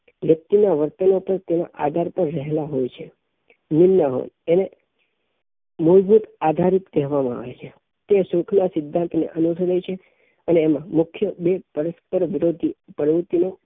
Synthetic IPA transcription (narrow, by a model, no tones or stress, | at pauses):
ʋjək̚t̪inaʋəɾt̪ənopəɾt̪ena̰ʔad̪ʱaɾpəɾːəɦelaɦojt͡ʃʰe | nɪnːaɦo̰jene | mulbʱut̪ad̪ʱaɾit̪d̪ɛɦʋamãa̰ʋet͡ʃʰe | t̪esũkʰnasɪd̪ʱːãnt̪nḛʔənuʈʰɾəjt͡ʃʰe | əneːmãmʊkʰjəbepəɾəspəɾʋɪɾod̪ʱipəɾʋut̪ino